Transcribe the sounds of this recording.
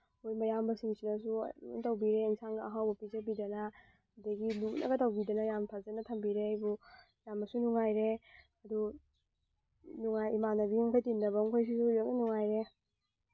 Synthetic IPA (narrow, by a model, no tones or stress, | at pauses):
ojmɐjambɐsiŋsinɐs̬ṵṵtɐwbiɾeinsaŋɡɐːɦawbɐpizɐbidɐnɐ | dɐɡiluknʔɐ̰ɡɐtawbidɐnɐjampʰazɐnɐtʰɐmbiɾeajbu | jamɐsunuŋajɾe | ɐdu | nuŋajimanɐbiuŋkʰajtindɐbɐŋkʰojs̬isuɐk̚enuŋajɾe